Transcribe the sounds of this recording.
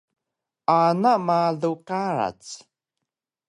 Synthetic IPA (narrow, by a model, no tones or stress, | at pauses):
anamaɮuqaɾa̰t͡s